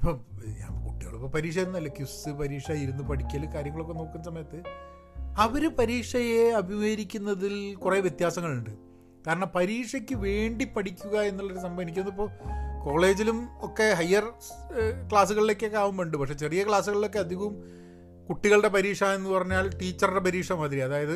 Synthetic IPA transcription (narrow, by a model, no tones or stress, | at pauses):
ipːoːɲa̰ːmkuʈːiɣɐ̰ɭupːoːpɐɾiːkʂ̬ɐjɐnːɐlːɐkjusɨpɐɾiːʂɐaːjiɾunːupɐɽikʲːaːlkaːɾjɐŋːɐɭo̞kːe̞no̞ːkːunːɐsɐmɐjɐt̪ːɨ | ɐʋoɾupɐɾiːʂɐjeɐbʱimɐɾikʲːunːɐðilkureːʋjet̪jaːsɐŋːɐɭuɳɖɨ | kaːɾɐɳɐmpɐɾiːʂɐkʲːɨʋe̞ːɳɖipːɐɽʰikʲːuɣɐe̞nːuɭːɐoɾusɐmbɐmenik̬ʲːmnðipːo̞ːko̞ːɭe̞ːd͡ʑilumo̞kːe̞ɦɐjːɐr | kɭaːs̬uɣɐɭile̞kːekːaːʋumʋeːɳɖupɐkʂe̞t͡ɕerijɐkɭaːsuɣɐɭilo̞k̬ːe̞ɐd̪ʱiɣɐum | kuʈːiɣɐɭɽe̞pɐɾiːʂaːe̞nːupɐrɐɲːaːɭʈiːt͡ɕːɐrɨɽe̞pɐɾiːʂɐmɐd̪iɾiɐðaːjɐðɨ